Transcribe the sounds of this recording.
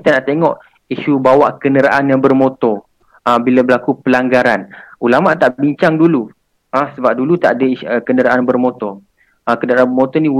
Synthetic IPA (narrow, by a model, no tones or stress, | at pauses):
kit̪anaʔt̪eŋɔʔ | iʃubawaʔkənəɾaʔanjaŋbərmot̪ɔ | əbilabəlakupəlaŋɡaɾanulamaʔt̪aʔbiɲt͡ʃaŋdulu | asəbap̚dulut̪a̰ʔadaiəkənəɾaʔanbərmot̪ɔ | əkənəɾaanbərmot̪ɔnĩ